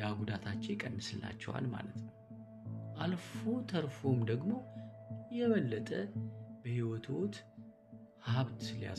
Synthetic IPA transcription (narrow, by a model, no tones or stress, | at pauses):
jaɡud̪at̪ʰat͡ʃːekʼənːɨsɨlːa̰t͡ʃːɛ̰wa̰lma̰lət̪nəww | ʔalfot̪ʰəɾfo̞md̪əɡmo̞jɛβəlːət̪ʼəbəhiwɔt̪ʰwot̪ | haβt̪sɨlja̰